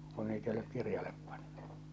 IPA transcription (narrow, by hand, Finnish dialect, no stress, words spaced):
kon niːt ei olek kirjɑlep pɑnn̥u̥